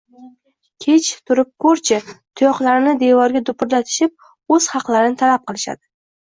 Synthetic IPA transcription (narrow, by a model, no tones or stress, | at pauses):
kʲʰe̞t͡ʃt̪ʰʊɾɪp̚kʰoɾt͡ʃʰɪt̪ʰʊjɒqlˠaɾɪnɪd̪evɒɾɡʲad̪ʊpʰʊɾlat̪ʰɪ̥ʃɪp̚ | ɵz̥hɑqlˠaɾɪnɪt̪ʰalap̚qʰɨlˠɪʃa̰d̪ɪ